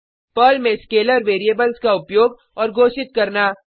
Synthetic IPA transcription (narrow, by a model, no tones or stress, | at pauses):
pɐlmẽskeːləɾʋeːɾieːbəlskaʊpjoːɡ | ɔːɾɡʱoːʃɪt̪̚kɐɾnaː